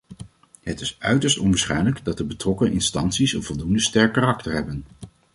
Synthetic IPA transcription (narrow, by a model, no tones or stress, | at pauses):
ɦətɪsœɥtəɹstɔnʋəsχɛjnləɡdɑt̚dəbətrɔkənʔɪnstɑntsisənvɔlˠdundəstɛɹkːaːrɑktəɹɦɛbən